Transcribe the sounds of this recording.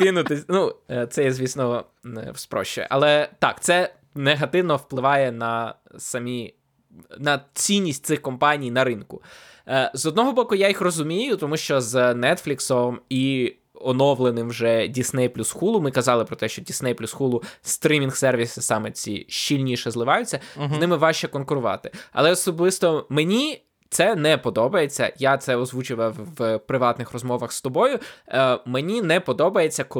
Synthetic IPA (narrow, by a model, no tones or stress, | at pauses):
kɪnʊt̪ɪnut̪sɛjɛzʲʋʲisnɔ | wspɾɔ̰ʃt͡ʃɛ̰ʔɐlˠɛt̪ɑkt̪sɛ | neɦɐt̪ɪwnɔwplˠɪʋɑjɛnɐ | sɐmʲi | nɐt͡sʲinʲːisʲt̪̚ʲsɪxkɔmpɑnʲijnɐɾɪnkʊ | zɔd̪nɔɦɔbɔkʊjajixrɔzʊmʲijʊt̪ɔmuʃt͡ʃɔznɛt̪flʲiksɔmi | ɔnɔʋlˠenɪmwʒɛdʲisnɛjplʲusxulˠʊmɪkɐzɑlˠɪpɾɔt̪ɛʃt͡ʃɔdʲisnɛjplʲusxulˠʊst̪ɾʲimʲinxsɛrʋʲisɪsɑmɛt͡sʲḭʃt͡ʃilʲnʲiʃɛzlˠɪʋɑjʊt͡sʲːɐznɪmɪʋɑʃt͡ʃɛkɔnkʊɾʊʋɑ̰t̪ɪ̥ɐ̰lˠɛɔsɔblɪst̪ɔmenʲi | t̪sɛnɛpɔd̪ɔbɐjet͡sʲːɐ̰jat̪sɛɔzʋut͡ʃʊʋɐwpɾɪʋɑt̪nɪxrɔzmɔʋɐxst̪ɔbɔjʊmenʲinɛpɔd̪ɔbɐje̞t͡sʲːɐk